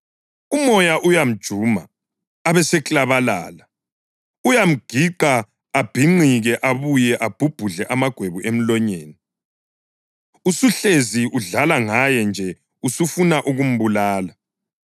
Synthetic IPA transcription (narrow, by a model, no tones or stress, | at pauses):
umɔjaʔujam̩d̥ʒ̥ʱuːma̰ː | βɛsɛkʼlaβala̰ːla | ujam̩ɡ̥ʱiǃaː | b̥ʱiŋ͡ǃiɣɛʔaβujɛʔab̥ʱub̥ʱuɮɛʔamaɡ̥ʱweβuʔem̩lɔɲeːni | usuɬeziuɮalaŋajɛnd͡ʒʱɛ | usufunaʔuɣum̩βulaːla